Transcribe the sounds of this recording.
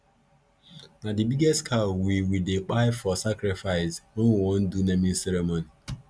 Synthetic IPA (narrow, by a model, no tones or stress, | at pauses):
nadibiɡestkʰalwiwidek͡paɪfɔsakɾɪfaɪsoŋʷwon̩dunemĩn̩seɾemoni